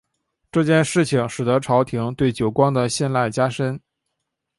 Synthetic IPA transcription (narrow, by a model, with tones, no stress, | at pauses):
ʈ͡ʂɤ˥˧t͡ɕjɛ˥˧nʂɻ̩˥˩t͡ɕʰi˨˩ŋʂɻ̩˨˩d̪ə˧˥ʈ͡ʂʰɑ˧˥ʊt̪ʰi˧˥ŋt̪we˥˩ɪt͡ɕjo˨˩ʊkwɑ˥ŋd̪ə˨ɕjɛ˥˧nla˥˩ɪt͡ɕja˥ʂə˥n